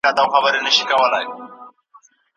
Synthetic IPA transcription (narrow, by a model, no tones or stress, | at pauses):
at̪awxabəɾenəʃi̥kɐwəlaj